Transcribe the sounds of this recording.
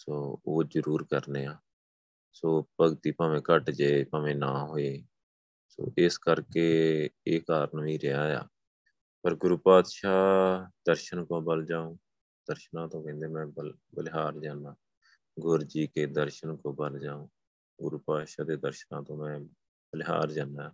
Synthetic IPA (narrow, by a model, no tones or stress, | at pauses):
soːoːzəɾuːɾkəɾneːaː | soːpəɡt̪iːpaːʋẽːkəʈd͡ʒeːpãːʋẽːnaːɦoːeː | so̰ːʔɪskəɾkeːeːkaːɾənʋĩːɾɪjaːja̰ː | pəɾɡʊɾuːpaːd̪ʃaːd̪əɾʃənkõːbəld͡ʒaːõː | d̪̥əɾʃnãːt̪õːkɛ̃ːnd̪eːmɛ̃ːbə | bəlɦaːɾd͡ʒaːnaː | ɡʊɾd͡ʒiːkeːd̪əɾʃənkõːbəld͡ʒaːõː | ɡʊɾuːpaːd̪ʃaːd̪eːd̪əɾʃənãːt̪õːmɛ̃ː | bəlɪɦa̰ːɾd͡ʒaːnaːaː